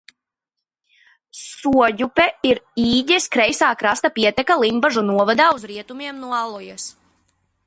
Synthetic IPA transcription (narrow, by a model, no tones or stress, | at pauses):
suɔɟupɛiɾiːɟɛskɾɛjsaːkɾast̪apiɛt̪ɛkalˠimbaʒunuɔvad̪aːuzɾiɛt̪umiɛmnuɔalˠɔjas